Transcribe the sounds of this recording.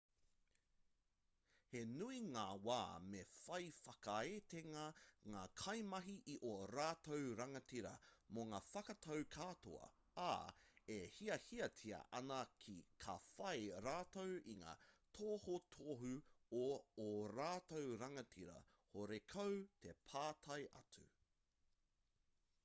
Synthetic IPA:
he̞nuiŋaːwa̰ːmefɐjfɐkɐeteŋɐŋaːkʰɐjmɐɦiʔiʔoɾaːtowɾɐŋɐtiɾɐ̰moŋaːfɐkɐtʰɐwkʰatʰo̰ɐ̰ | a̰ehiɐhiɐtʰiɐ̰ʔɐnɐkʰikʰɐ̰fɐjɾaːtowiŋa̰ːtʰoːhotʰoɦʉoːɾaːtowɾɐŋɐtʰiɾɐ̰ | hoɾekʰowtʰepʰaːtʰɐjʔɐ̰t͡sʉ̰

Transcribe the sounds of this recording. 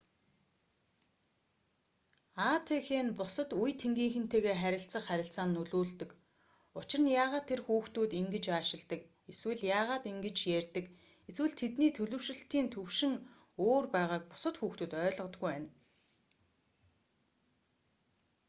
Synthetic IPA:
at̪ʰexeːnpʊsə̆t̪ujt̪ʰːeŋɡiːŋxɘ̆n̥t̪ʰeːɣeːχæɾʲɪ̆ɬt͡sə̆χχæɾʲɪ̆ɬt͡saːnːɵɮuːɮt̪ɘ̆k | ʊt͡ɕɪ̆rə̆njaːʁaːt̪ʰːerxuːxt̪uːt̪iŋɡɘ̆t͡ɕaːʃɪ̆ɮt̪ə̆k̚ | eswɘ̆ɮjaːʁaːt̪iŋɡɘ̆t͡ɕjærʲt̪ɘ̆k | eswɘ̆ɮt̪ʰet̪niːt̪ʰɵɮɵ̆wʃɪ̆ɬt̪iːnt̪ʰɵwʃɪ̆ŋ | oːrpæːʁaːk̚pʊ̥sə̆t̪xuːxt̪uːt̪œːɮʁə̆t̪ɡujpæːn

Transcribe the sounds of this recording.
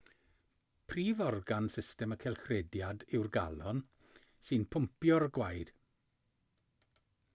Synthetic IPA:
pʰriːvɔrɡansɪstɛməkʰɛlˠxrɛdjadɪwrɡa̰lɔn | sɨnpʰʊmpjɔɾɡwajd̥

